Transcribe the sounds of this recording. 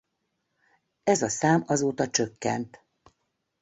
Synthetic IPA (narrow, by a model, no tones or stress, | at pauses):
ɛzɒsaːmɒzoːt̪ɒt͡ʃøkːɛ̰nt̪